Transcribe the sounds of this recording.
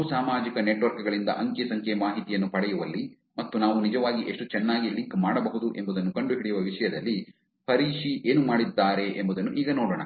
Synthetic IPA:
usaːmaːd͡ʒikɐneʈʋɐɾkuɡɐɭind̪ɐ̰ʔɐŋkesɐŋkʰemaːɦit̪ijɐnːupɐɽɛjuʋɐlːi | mɐt̪ːunaːʋunid͡ʒɐʋaːɡiʔe̞ʂʈut͡ʃɛnːaːɡiliŋkmaːɽɐbɐɦud̪uʔe̞mbud̪ɐnːukɐɳɖuɦiɭijuʋɐʋiʂɐjɐd̪ɐlːi | pʰɐɾiːʂiʔeːnumaːɽid̪ːaːɾe̞ʔembud̪ɐnːuʔiːɡɐnoːɽoːɳɐ

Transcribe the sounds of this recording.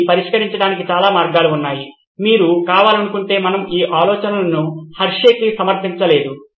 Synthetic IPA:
pɐɾiʂkɐɾiɲt͡ʃɐɽaːnikit͡ʃaːlaːmaːɾɡaːluunːaːji | miːɾukaːʋaːlɐnukuɳʈe̞ːmɐnɐmiːʔaːlɔːt͡ʃɐnɐlɐnuhɐɾʂeːkisɐmɐɾt̪iɲt͡ʃɐle̞ːd̪u

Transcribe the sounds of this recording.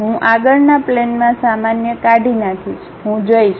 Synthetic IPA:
ɦũʔaɡəɭnaplenmãsamanjəkaɖʱinakʰiʃ | ɦũd͡ʒojiʃ

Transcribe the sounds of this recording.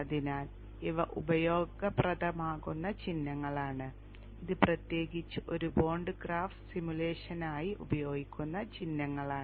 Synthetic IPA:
ɐðinaːl | iʋɐʔubɐjo̞ːɡɐprɐd̪ɐmaːɣunːɐt͡ɕinːɐŋːɐɭaːɳɨ | iðɨprɐt̪je̞ːɡit͡ɕːɨʔoɾubo̞ːɳɖɨɡraːfʈsimjuleːʂɐnaːjiʔubɐjo̞ːɡikʲːunːɐt͡ɕinːɐŋːɐɭaːɳɨ

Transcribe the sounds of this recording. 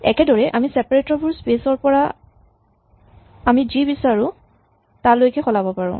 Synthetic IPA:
ɛ̰kɛdɔɹɛʔamisɛpaɹetɔbʱuɹspesɔɹpɔɹa | amizibisaɹʊ̃ | talojkɛxɔlabɔpaɹɔ̰̃

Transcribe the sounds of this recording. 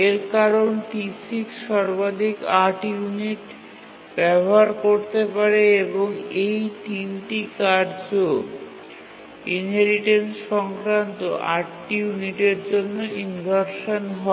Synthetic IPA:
eɾkaɾonʈisikʃɔɾbad̪ʱikaʈijuniʈ | bɛboɦaɾkoɾt̪epaɾeeboŋejʈimʈikaɾd͡ʑo | inɦeɾiʈensʃɔŋkɾant̪oʔaʈːijuniʈeɾd͡ʑonːoinbʱaɾʃonɦɔ

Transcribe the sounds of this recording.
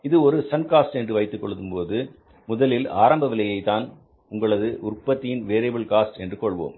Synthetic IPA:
ɪðɯɔɾɯsɐnkaːsʈɛndrɯʋɐɪt̪ːɯkːɔɭɯt̪ːɯmpoːðɯ | mʊðɐlɪlaːɾɐmbɐʋɪlɐjɐɪt̪ːaːn | ʊŋɡɐɭɐðɯʔʊrpːɐt̪ːɪjɪnʋeːɾeːbɯɭkaːsʈɛndrɯkɔɭʋo̰ːm

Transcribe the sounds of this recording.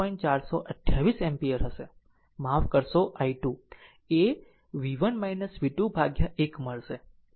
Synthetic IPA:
ɔĩnt͡ʃaɾsoʔəʈʰjaʋisɛmpijəɾɦəʃe | mafkəɾsoʔaiʈu | e | ʋiʋənmajnəsʋiʈubʱaɡjaʔekməɭʃe

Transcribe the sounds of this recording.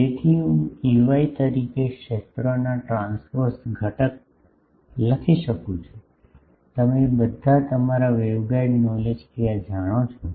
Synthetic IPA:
d͡ʒet̪ʰiɦũiʋait̪əɾikekʃet̪ɾonaʈɾãnsfoɾsɡʱəʈək̚ | ləkʰiʃəkũt͡ʃʰo | t̪əmebəd̪ʱat̪əmaɾaʋeʋɡaiɖnɔled͡ʒkijad͡ʒaɽ̃ot͡ʃʰo

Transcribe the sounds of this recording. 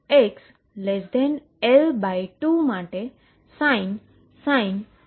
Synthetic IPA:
eks | lɛsd̪ɛn | ɛlbajʈumaʈe | san | sajn

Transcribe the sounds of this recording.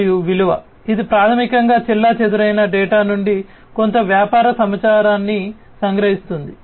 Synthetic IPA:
juʋiluʋɐ̰ | id̪ipɾaːt̪ʰɐmikɐŋɡaːt͡ʃilːaːt͡ʃɛd̪uɾɐjnɐɖɛːʈaːnuɳɖi | ko̞nt̪ɐʋjaːpaːɾɐsɐmɐt͡ʃaːɾaːnːi | sɐŋɡɾɐɦist̪und̪i

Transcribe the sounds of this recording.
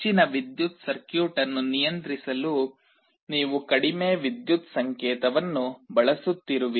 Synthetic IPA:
t͡ʃinɐʋid̪jut̪sɐɾkjuːʈɐnːunijɐnt̪ɾisɐlu | niːʋukɐɽimeːʋid̪jut̪sɐŋkɛːt̪ɐʋɐnːubɐɭɐsut̪ːiɾuʋi

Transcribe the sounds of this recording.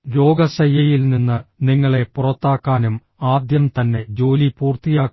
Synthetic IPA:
ɾo̞ːɡɐɕɐjːɐjilninːɨniŋːɐɭe̞purɐt̪ːaːkːaːnum | aːd̪jɐmt̪ɐnːe̞d͡ʑo̞ːlipuːrt̪ijaː

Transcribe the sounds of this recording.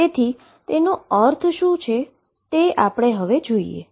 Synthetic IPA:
et̪ʰi | t̪enoəɾt̪ʰʃũt͡ʃʰe | t̪eapɽ̃eɦəʋed͡ʒoiḛ

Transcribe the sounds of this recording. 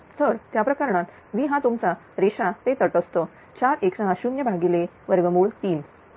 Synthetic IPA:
t̪ʰəɾt̪japɾəkaɾɳat̪ | ʋiɦãt̪omt͡sa | ɾeɕat̪et̪əʈəst̪o | t͡ɕaɾeksaəɕumjəbʱaɡile | ʋəɾʋəmuːɭt̪iːn

